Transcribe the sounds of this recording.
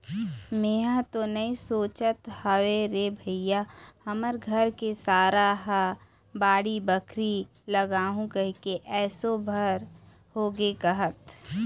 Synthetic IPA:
meːɦãt̪onɐĩsoːt͡ʃət̪hɐʋeɾebʱəɪjahɐməɾɡʱəɾkesaːɾaɦa | baːɽibəkʰɾi | lɐɡaːɦũkəɦkeʔɛːsobʱəɾ | hoːɡekɐɦət̪

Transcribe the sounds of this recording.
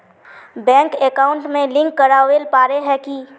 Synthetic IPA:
bɛ̃ːŋkeːkaːʊ̃ɳʈmẽlɪ̃ŋkːɐɾaːwelpaːɾeɦɛki

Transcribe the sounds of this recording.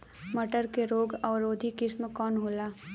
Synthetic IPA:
mɐʈəɾkeɾoːɡɔːɾoːd̪ʱikɪsmkɔːnɦoːlaː

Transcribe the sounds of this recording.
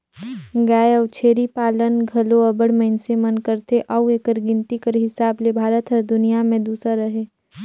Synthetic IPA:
ɡaːjəʊt͡ʃʰeːɾipaːlənɡʱɐloɐbəɽməɪnsemənkəɾt̪eʔaueːkəɾɡɪ̃nt̪ikəɾɦɪsaːblebʱaːɾət̪ɔɾd̪ʊnijamẽd̪uːsaɾəɦeː

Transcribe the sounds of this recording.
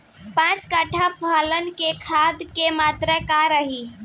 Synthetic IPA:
pãt͡ʃkəʈʰapʰalənkekʰad̪kemat̪ɾəkaɾəɦi

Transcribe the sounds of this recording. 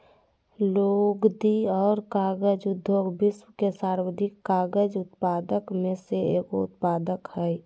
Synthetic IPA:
loɡd̪iɔːɾkaːɡəd͡ʒʊd̪ʱjoːɡbɪswəkesaːɾwəd̪ʱɪkːaːɡəd͡ʒʊt̪paːd̪əkmẽseeːkoʊt̪̚paːd̪əkhɛɛ

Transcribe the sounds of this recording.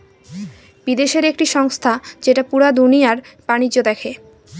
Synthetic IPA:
bid̪eʃeɾekʈiʃɔŋst̪ʰad͡ʑeʈapuɾad̪unijaɾbanid͡ʑːod̪ɛkʰe

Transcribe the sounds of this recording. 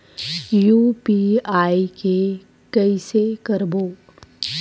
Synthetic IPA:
juːpiaːike | kɛɪsekɐɾboː

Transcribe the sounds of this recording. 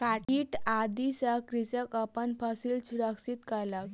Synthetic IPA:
kaʈʰiːʈad̪isakɾisəkəpənfəsilsuɾəksit̪kəɾlak

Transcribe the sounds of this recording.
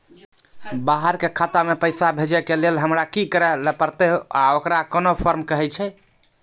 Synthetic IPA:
baɦəɾkekʰat̪amepəjsabʱed͡ʒɛkelelɦəmɾakikəɾɛlɛpəɾt̪eɦoaokɾakənopʰəɾmkəɦɛt͡ʃʰɛ

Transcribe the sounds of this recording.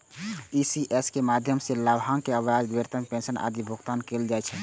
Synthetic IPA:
isiʔeskemad̪ʱjəmseləbʱɦaŋkeəwad͡ʒ̪ʋeɾt̪əmpẽnsənʔa̰d̪ibʱuɡt̪ankeld͡ʒaɛt͡ʃʰɛ

